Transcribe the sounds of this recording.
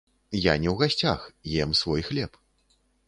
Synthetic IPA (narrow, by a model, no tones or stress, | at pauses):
janʲɛwɣasʲt͡sʲaxjɛmsvɔjxlʲɛp